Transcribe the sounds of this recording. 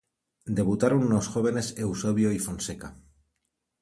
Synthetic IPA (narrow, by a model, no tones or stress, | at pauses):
d̪e̞βut̪aɾonuno̞sxo̞β̞e̞ne̞se̞wsoβ̞joifo̞nseka